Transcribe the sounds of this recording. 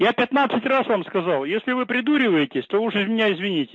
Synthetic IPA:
japʲɪt̪nat̪sɨtʲrasvamskɐzɑlˠjesʲlʲɪvɨpɾʲɪd̪uɾʲɪvəjɪtʲɪsʲt̪ouʂɪzmʲɪnʲaɪzvʲɪnʲitʲɪ̥

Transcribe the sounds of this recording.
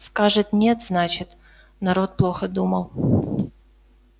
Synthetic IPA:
skaʐɨt̪nʲet̪znat͡ɕɪt̪ | nɐɾo̞t̪̚plˠo̞xəd̪uməlˠ

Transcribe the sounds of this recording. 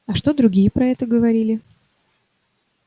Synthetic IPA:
ɐʂt̪o̞d̪ɾʊɡʲijəpɾɐɛt̪əɡəvɐɾʲilʲɪ

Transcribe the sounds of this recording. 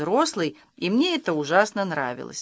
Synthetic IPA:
ɾoslˠɨj | imnʲeɛt̪əuʐasnənɾa̰vʲɪ̰lˠə̰sʲ

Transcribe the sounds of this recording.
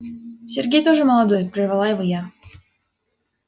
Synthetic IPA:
sʲerɡʲejt̪oʐɨməlˠɐd̪ojpɾʲɪrvalˠaɪvɨja

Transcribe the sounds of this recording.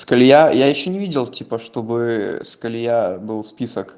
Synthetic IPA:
skɐlʲjajajɪɕːonʲɪvʲidʲɪlˠtʲipəʂt̪obɨskɐlʲjabɨlˠspʲisək

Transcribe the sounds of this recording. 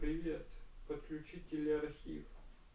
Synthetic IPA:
pɾʲɪvʲet̪pət̪̚klʲʉt͡ɕitʲɪlʲɐrxʲḭf

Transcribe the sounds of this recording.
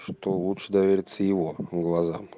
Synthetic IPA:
ʂt̪olˠut̪ʂɨd̪ɐvʲeɾʲɪt̪səjɪvoɡlˠaza̰m

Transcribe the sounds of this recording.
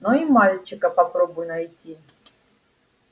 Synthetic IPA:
noimalʲt͡ɕɪkəpɐpɾobʊjnɐjtʲi

